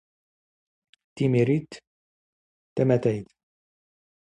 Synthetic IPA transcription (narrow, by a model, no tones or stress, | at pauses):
t̪imiɾit̪ | t̪ɛmæt̪ɛjt̪